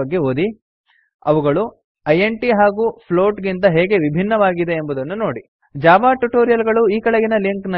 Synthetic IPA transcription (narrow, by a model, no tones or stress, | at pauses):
ɐɡːe̞oːd̪i | ɐʋuɡɐɭu | ɐjeɳʈiɦaːɡupʰlo̞ːʈɡint̪ɐɦeːɡe̞ʋibʱinːɐʋaːɡid̪e̞ːmbud̪ɐnːuno̞ːɽi | d͡ʒaːbaːʈuʈoːɾijɐlɡɐɭuiːkɐɭeɡinɐliŋknɐ